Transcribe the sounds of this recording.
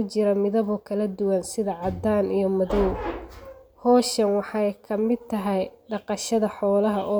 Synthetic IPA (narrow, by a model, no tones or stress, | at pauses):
ʊt͡ʃɪɾɐmɪðɐβɔkʰɐlɐd̪ʊwɐnsɪðɐʕɑd̪aːnijɞmɐðɔw | hɔːʃɐnwɑħɑjkʰɐmɪd̪̚t̪ʰɐɦɛjɖɑqɑʃɐðɐħɔːlɐɦɐʔɔː